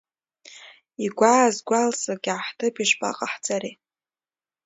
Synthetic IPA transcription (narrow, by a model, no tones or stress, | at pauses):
iɡʷaːzɡʷalsaɡʲaħtʰɨpiʂpʼa̰qʼaħd͡zʼaɾi